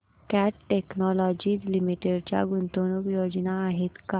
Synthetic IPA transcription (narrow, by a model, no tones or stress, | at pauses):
kæʈʈeknɔlɔd͡ʑiːd͡zlimiʈeɽt͡ɕja̰ɡunt̪onukjod͡ʑnaːɦet̪ka